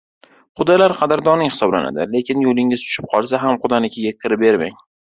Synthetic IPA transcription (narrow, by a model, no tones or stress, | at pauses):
qʰʊd̪alaɾqʰɑd̪ɪɾd̪ɒnɪŋhɪ̥sɒbla̰na̰d̪ɪle̞kʲɪnjolɪŋɪz̥t͡ʃ̪ʰʊ̥ʃɪp̚qʰɒlˠs̬aɦamqʊd̪anɪkʲʰɪɡʲakʲʰɪɾɪbe̞ɾma̰ŋ